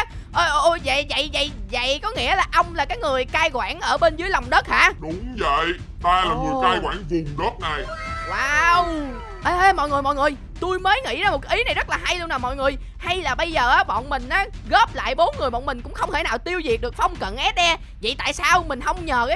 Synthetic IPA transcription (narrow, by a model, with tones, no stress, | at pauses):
ʔə˧ʔʔo˧zə̰˧˨jvə̰˧˨jvə̰˧˨jzə̰˧˨jkɔ˨˦ŋḭ˧˥əlaː˨˩ʔə˧wŋ͡mlaː˨˩kaː˨˦jŋɨ˨˩əjkaː˧jɣwa̰ː˧˩nʔəː˧˩ɓe˧nzɨ˨˦jlɔ˨˩wŋ͡mɗə˦˥t̚ha̰ː˧˥ɗʊ˨˧˥ŋ͡mzə̰˧˨j | t̪aː˧laː˨˩i˨˩˦kaː˧jkwa̰ː˧˩nvi˨˩ənɣɔ˦˥p̚na˨˩jwaː˨˧w | ʔə˧ʔə˧mɔ̰˧˨jŋɨ˨˩əjmɔ̰˧˨jŋɨ˨˩əj | t̪u˧jməː˨˦jŋḭ˧˥zaː˧m̚˨˩kʔi˨˦na˨˩jzə˦˥t̚laː˨˩ɦa˧jlu˧naː˨˩mɔ̰˧˨jŋɨ˨˩əj | ha˧jlaː˨˩ɓə˧jzəː˨˩ʔaː˨˦ɓɔ̰˧˨nmï˨˩ŋ̟ʔaː˨˦ | ɣɔ˦˥p̚la̰ː˧˨jɓo˨˦nŋɨ˨˩əjɓɔ̰˧˨nmï˨˩ŋ̟kʊ̰˧˥ŋ͡mxə˧wŋ͡mt̪e˧˩naː˨˩wt̪i˧əwzi˨˩ək̚ɗɨ˨˩ək̚fɔ˧wŋ͡mkə̰˧˨nʔɛ˦˥t̚ɗɛ˧ | və̰˧˨jt̪a̰ː˧˨jsaː˧wmï˨˩ŋ̟hə˧wŋ͡mɲəː˨˩kaː˨˦